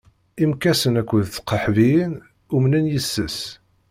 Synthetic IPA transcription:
imkːæsənækʷːəðθqːəħvijən | umnənjəsːəs

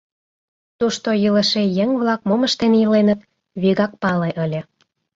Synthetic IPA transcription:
t̪uʃt̪ojələʃejəŋβlɑk̚momə̆ʃt̪enjəlenət̪ | βiɣɑk̚pɑleʔəlʲĕ

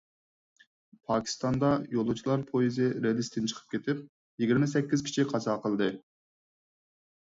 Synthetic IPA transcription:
pʰɑːkʲʰi̥st̪ɑnd̪ɑjolˠut͡ʃʰilˠɑɾpʰojizɪɾelist̪ɪnt͡ʃʰə̥qʰə̥p̚kʲet̪ʰɪp̚ | jeɡʲiɾmɛsɛkʲːizkʲʰi̥t͡ʃʰiqʰɑsɑqʰəlˠd̪ɨ

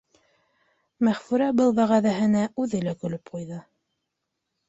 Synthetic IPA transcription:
mæχfʉɾæbɤlˠβæʁæðæɦɘ̆næʉðɘlækɵ̆lɵpqujðɤ

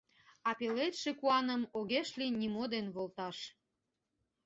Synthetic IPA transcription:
ɑpelet̪ʃekuɑnəmoɣeʃlinʲimod̪enβolt̪ɑʃ

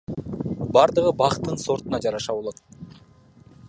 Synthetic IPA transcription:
bɑɾd̪ɯʁɯbɑqt̪ːɯnso̞ɾt̪unɑd͡ʒɑɾɑʃɑβo̞lˠo̞t̪̚

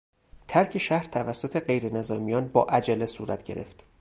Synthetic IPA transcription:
t̪ʰæɾcʰeʃæhɾt̪ʰævæsːo̞t̪ʰe̞ɢe̞jɾenezɒːmijɒːnbɒːʔæd͡ʒælesuːɾæt̪ʰɟe̞ɾe̞̰ft̪

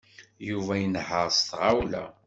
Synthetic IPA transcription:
juvæjənħəɾˤst̪ʁawlæ̰

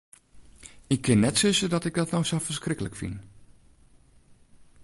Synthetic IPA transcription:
ɪkʰːɪnːɛtsɪsədɔtɪɡ̚dɔtnɔwsowfərskrɪkələkfḭn

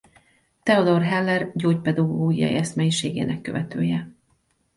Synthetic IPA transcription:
t̪ɛod̪o̞rɦɛlːɛrɟoːcpɛd̪ɒɡoːɡijɒ̰jḭɛsmɛjiʃeːɡḛːnɛkːø̰vɛt̪øːjɛ

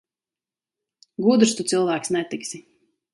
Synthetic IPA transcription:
ɡuːd̪ɾst̪ut̪silˠvæːksnɛt̪iksʲi

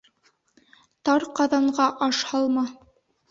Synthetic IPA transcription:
t̪ɑɾqɑðɑɴɢɑʔɑʃhɑlˠmɑ

